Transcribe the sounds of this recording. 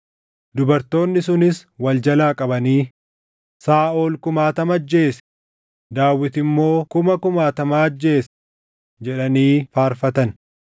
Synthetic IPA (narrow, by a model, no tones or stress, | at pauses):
d̪ʊbɐɾt̪o̞ːnːɪsʊnɪswɐld͡ʒɐlaːkʼɐbɐniː | saːʔoːlkʊmaːt̪ɐmɐd͡ʒːe̞ːs | d̪aːwːɪt̪ɪmːo̞ːkʊmɐkʊmaːt̪ɐmaːɐd͡ʒːe̞ːs | d͡ʒɛᶑɐniːfaːɾfɐt̪ɐn